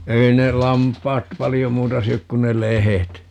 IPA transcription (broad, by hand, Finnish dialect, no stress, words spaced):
ei ne lɑmpˑɑːt pɑlijo muːtɑ syøk kun ne lehet